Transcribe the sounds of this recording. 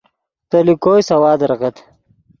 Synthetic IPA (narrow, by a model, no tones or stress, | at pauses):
t̪ɐlikoːjsɐwaːd̪ɐɾʁɐt̪